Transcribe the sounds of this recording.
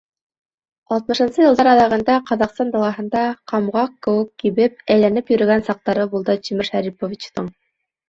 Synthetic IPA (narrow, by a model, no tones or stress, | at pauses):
ɑlˠt̪mɤ̆ʃɤ̆nsɤjɤ̆lˠd̪ɑɾɑðɑʁɤ̆nd̪ɑqɑzðɑqst̪ɑnd̪ɑlˠɑɦɤ̆nd̪ɑqɑmʁɑqkːɘ̆wɘkːiβɘp̚æjlænɘpjɵ̆ɾɵ̆ɡænsɑq̚t̪ɑɾɤbulˠd̪ɤt̪imɘɾʃæɾipovʲit͡ɕt̪oɴ